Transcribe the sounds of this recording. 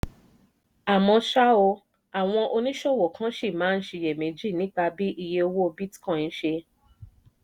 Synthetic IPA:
a˨mɔ̃˧ʃa˦o˧ | a˨w̃ɔ̃˧ʔo˧nĩ˦ʃɔ˦˨wɔ˨kʰã˨˦ʃe˦˨mãː˨˦n̩˦ʃe˧je˨mẽ˨˦d͡ʒi˦˨nĩ˨˦k͡pa˧bi˦ʔi˧je˧o˧wo˦o˧bi˦tkã˦˨n̩˦ʃe˧

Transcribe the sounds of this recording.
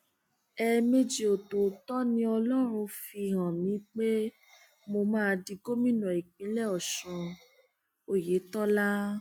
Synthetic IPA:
ɛ˧me˦d͡ʒi˨o˨to˨tɔ˦nĩ˧˦ɔ˧lɔ˦ɾ̃ũ˧fi˧˨ɦã˨mĩ˨˦k͡pe˦ | mo˧mãː˦˧di˧ɡo˦mĩ˦nɔ̃˨i˨k͡pĩ˨˦lɛ˦˨ɔ˨ʃɔ̃˧ | o˦˨je˨˦tɔ˦la˦

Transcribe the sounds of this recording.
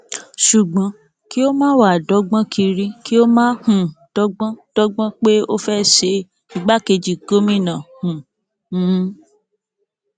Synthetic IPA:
ʃu˨ɡ͡bã˨˦ | ki˦o˦mãː˦wa˦˨dɔ˨˦ɡ͡bã˦kʰi˧ɾĩ˦ki˦o˦mãː˦hũ˦d̥ɔ˦ɡ͡bã˦d̥ɔ˦ɡ͡bã˦k͡pe˦o˦fɛ˦ʃe˧ | i˨ɡ͡ba˨˦ke˧d͡ʒi˨ɡo˦mĩ˦˨nã˨hũ˨˦

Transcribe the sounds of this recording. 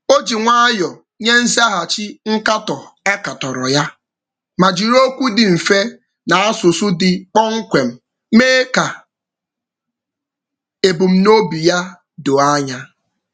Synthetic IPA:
o˦d͡ʒi˨ŋʷa˦a˦jɔ˨ | ɲe˦n̩˦zi˦a˦ɦa˨t͡ʃi˦ŋ̩˦ka˦tɔ˨a˦ka˨tɔ˨ɾɔ˨ja˦ | ma˨d͡ʒi˨ɾo˦kʷu˦dɪ˨m̩˨fe˦ | na˨a˦sʊ˨sʊ˦dɪ˨k͡pɔ˦ŋ̩˦kʷe˨m̩˨ | meː˦ka˨ | e˨bu˨m̩˨no˦bi˨ja˦ | do˨a˦ɲa˦

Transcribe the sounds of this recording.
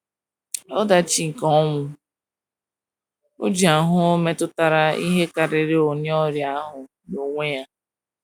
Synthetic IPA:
ɔ˦da˨t͡ʃi˨kɔ˦ŋʷʊ˨ | o̰˦d͡ʒi˨a˨ɦʊ˦o˦me˦tʊ˦ta˨ɾa˦i˦ɦe˦ka˨ɾɪ˨ɾɪ˦o˨ɲ˦ɔ˦ɾja˦ɦʊ˨ | no˨ŋʷe˦ja˦

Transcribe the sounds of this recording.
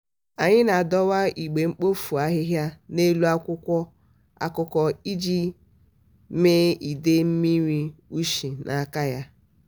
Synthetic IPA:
a˨ɲɪ˦na˨dɔ˦wa˦i˨ɡ͡be˨ŋ͡m̩˦k͡po˦fu˨a˦ɦɪ˦ɦja˦ne˦lu˦a˦kʷʊ˦kʷɔ˦ | a̰˦kʊ˦kɔ˦i˦d͡ʒi˦ | meː˦i˨de˦m̩˦mi˦ɾi˦u˦ʃi˨nʔa˨ka˦ja˦

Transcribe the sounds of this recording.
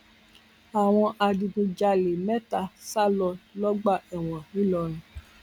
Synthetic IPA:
a˨w̃ɔ̃˧ʔa˧dĩ˧ɡũ˧d͡ʒa˧le˨mɛ˦ta˨sa˦lɔ˧lɔ˦ɡ͡ba˦˨ɛ˨w̃ɔ̃˨wĩ˦lɔ˧ɾ̃ũ˨

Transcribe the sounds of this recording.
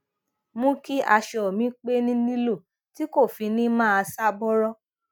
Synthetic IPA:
mũ˦ki˦ʔa˧ʃɔ˨o˨mĩ˨˦k͡pe˦nĩ˦nĩ˦lo˦˨ | ti˦ko˦˨fi˧nĩ˦mãː˦a˧sa˦bɔ˦ɾɔ˦

